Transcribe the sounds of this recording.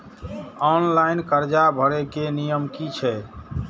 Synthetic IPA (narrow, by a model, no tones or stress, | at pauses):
ɔnlaɪnkəɾd͡ʒabʱəɾekenijəmkit͡ʃʰɛ